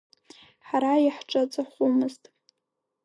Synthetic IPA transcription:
ħaɾajiħʈ͡ʂʼat͡sʼaχʷumɨztʼ

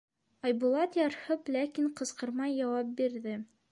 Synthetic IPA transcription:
ɑjbulˠɑt̪jɑɾhɤplækiɴqɤ̆sqɤ̆ɾmɑjːɑwɑp̚biɾðɘ

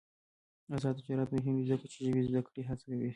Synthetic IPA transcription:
azɑd̪d͡ʒɑɾat̪mʊɦɪmd̪izd̪akɽt͡ʃeʒəbizd̪akɽiɦat͡sakawi

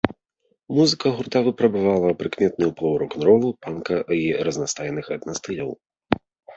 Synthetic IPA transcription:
muzɨkɐɣurt̪avɨpɾɐbavalˠɐpɾɨkmʲɛt̪̚nujuplˠɔwɾɔknɾɔlˠupankɐiɾɐznast̪ajɛnɨxɐt̪nast̪ɨlʲɐw

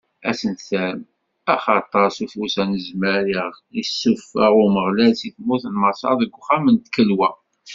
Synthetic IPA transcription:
æ̰sənsæm | æχɑt̪ˤːəɾsufusænəzmæɾiʁisːʊfæʁuməʁlælsiθmuθnmɑsˤɑ̰ðəɡʷːχæmənt̪kəlwæ

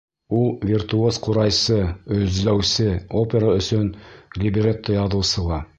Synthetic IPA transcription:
ulˠvʲirt̪uosquɾɑjsɤɵ̆zlæwsɘopʲeɾaɵ̆sɵnlʲɪbʲɪrʲet̪ːojɑðɤ̆wsɤ̆lˠɑ

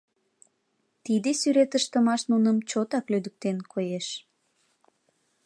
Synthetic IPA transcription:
t̪id̪esyɾet̪əʃt̪əmɑʃnunəmt͡ɕot̪ɑklyd̪ək̚t̪enkʰojeʃ

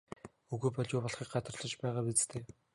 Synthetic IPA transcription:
ɵɣuːpɔɮjʊːpɔɮχiːk̚ɢat̪rɮɞ̆t͡ɕpæːʁaːpit͡st̪ʰeː

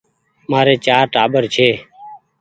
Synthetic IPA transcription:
maːɾeːt͡ʃaːɾʈaːɓəɾt͡ʃʰeː

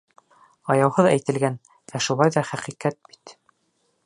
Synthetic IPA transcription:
ɑjɑwhɤðæjt̪ɘ̆lɡæn | æʃulˠɑjðɑχæqiqæt̪̚bi̥t̪

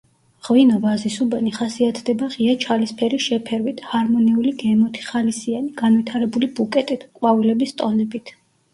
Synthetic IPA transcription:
ʁvinɔvazisubaniχasiat̪ʰd̪ɛbaʁiat͡ʃʰalispʰɛɾisʃɛpʰɛɾwit̪ʰhaɾmɔniuliɡɛmɔt̪ʰi̥χalisianiɡ̥anvit̪ʰaɾɛbulibukʼɛt̪ʼit̪ʰkʼwavilɛbist̪ʼɔnɛbit̪ʰ

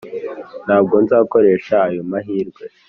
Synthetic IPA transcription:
n̥haːbɡo̞nzaːko̞ɾe̞ːʃaːjomaɦiːɾɡwe̞

